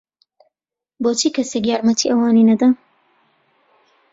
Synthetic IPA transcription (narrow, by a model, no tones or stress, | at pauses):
boːt͡ʃʰiːkɐsekjaːɾmɐt̪ʰiʔɐwɑːninɐd̪a